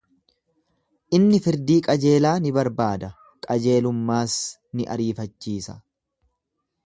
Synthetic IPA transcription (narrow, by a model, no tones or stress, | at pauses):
ʔɪnːɪfɪɾd̪iːkʼɐd͡ʒe̞ːlaːnɪbɐɾbaːd̪ɐ | kʼɐd͡ʒe̞ːlʊmːaːs | nɪʔɐ̰ɾiːfɐt͡ʃːiːsɐ